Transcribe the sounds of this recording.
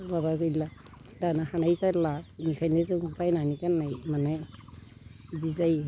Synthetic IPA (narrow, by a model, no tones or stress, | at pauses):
babaɡɯjla | danahanajzalamikʰajnezuŋpʰajnanikanːajmanaj | dizaj